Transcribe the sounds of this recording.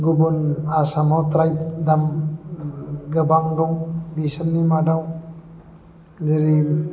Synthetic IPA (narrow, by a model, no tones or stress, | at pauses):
ɡubunasamawt̪ɾajp̚d̪am | ɡəbaŋdɔŋbisənːimadaw | deɾi